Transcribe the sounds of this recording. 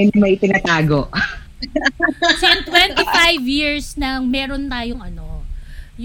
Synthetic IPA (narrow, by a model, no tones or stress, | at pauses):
ɛnɪmɐjt̪ɪnɐt̪aːɡoʔ | sɛnt̪wɛnt̪ifajvjiɹsnɐŋmɛːɾont̪aːjoŋʔɐno̞j